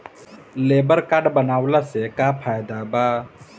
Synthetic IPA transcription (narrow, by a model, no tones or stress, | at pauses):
leːbəɾkaɖbənaːwlasekapʰaːjd̪abaː